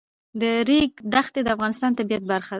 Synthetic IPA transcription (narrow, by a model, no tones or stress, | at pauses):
d̪əɾeɡ̚d̪axt̪ed̪əafɣɑnɪst̪ɑnt̪abijat̪̚baɾxad̪a